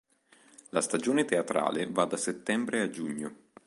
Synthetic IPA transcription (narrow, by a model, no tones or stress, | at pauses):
last̪ad͡ʒoːnet̪eat̪ɾa̰ːlevad̪ːaset̪ːɛmbɾead͡ʒuɲːo